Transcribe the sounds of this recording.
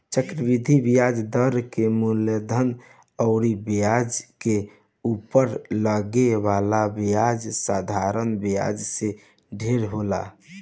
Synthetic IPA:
t͡ʃəkɾəbid̪ʱibijad͡ʒd̪əɾkemuləd̪ʱən | ɔʊɾibijad͡ʒke | upəɾləɡeβalabijad͡ʒsad̪ʱaɾənbija̰d͡ʒse | ɖʱeɾɦola̰

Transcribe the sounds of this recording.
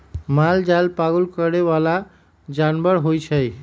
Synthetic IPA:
mald͡ʒajlpaɡəlkəɾeβala | d͡ʒanbəɾɦojt͡ʃʰəj

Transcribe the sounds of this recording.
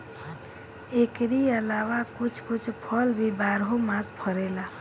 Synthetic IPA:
ekɾiəlawakut͡ʃʰkut͡ʃʰpʰəlbʱibaɾɦomãspʰəɾela

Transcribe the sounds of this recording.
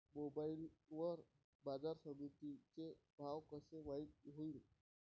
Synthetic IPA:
mobailʋəɾ | bad͡zaɾsəmit̪it͡sebʱaʋkəseʋait̪̚ɦoil

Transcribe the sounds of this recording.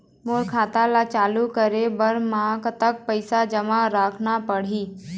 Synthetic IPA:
moːɽkʰaːt̪alat͡ʃaːlukəɾebəɾmãkət̪ək̚pəɪsad͡ʒəmaɾaːkʰnapəɽ̤iː

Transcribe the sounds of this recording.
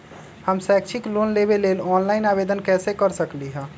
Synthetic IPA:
həmsɛk̚t͡ʃʰiklonlebelelɔnlaɪnabed̪ənkɛsekəɾsəkliɦə̃

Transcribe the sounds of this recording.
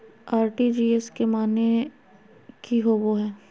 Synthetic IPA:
aːɾʈid͡ʒiːɛskemaːne | kiɦoːʋoɦɛː

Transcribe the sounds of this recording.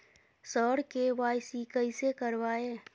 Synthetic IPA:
sɔːɽkeʋaːɪsikəɪsekəɾʋaːeː

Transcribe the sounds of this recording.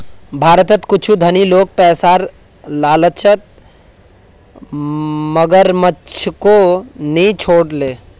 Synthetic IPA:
bʱaɾət̪ət̪kut͡ʃʰud̪ʱənilok̚pɛːsaɾ | laːlət͡ʃʰət̪̚ | məɡəɾmət͡ʃʰkonit͡ʃʰoːɽle

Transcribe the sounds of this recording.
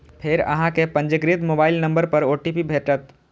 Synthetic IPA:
pʰɪɾɐ̰ɦãkepɐ̃ɲd͡ʒəɡɾɪt̪moːbaːɪlnɐ̃mbəɾpɐɾoːʈipibʱeːʈət̪

